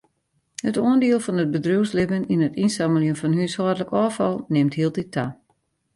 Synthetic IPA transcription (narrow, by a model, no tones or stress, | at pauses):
hətoəndiəlˠfɔnət̚bədruwslɪbəninətinsaməljənfɔnhyshɔədələkɔːfɔlˠnɪmthiəlˠtitʰːa